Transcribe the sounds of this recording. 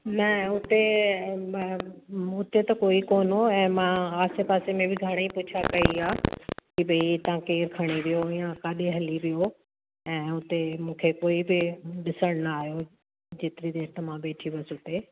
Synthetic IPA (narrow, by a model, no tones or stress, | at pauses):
mɛ̃ːʊt̪e | ʊt̪et̪ɐkoːikoːnoɛ̃ːmãaːsepaːsemẽbɪɡʱɐɽ̃eipʊt͡ɕʰakɐiaːkibɐit̪ɐãkeːɾkʰɐɽ̃eʋijoɪ̃jãkaːɗeɦɐliʋijo | ɛ̃ːʊt̪emũːkʰekoːibɪɗɪsəɽ̃nɐaːɦijo | d͡ʑeːt̪ɪɾid̪eːɾt̪ɐmãɓeːʈʰiʋəsʊt̪e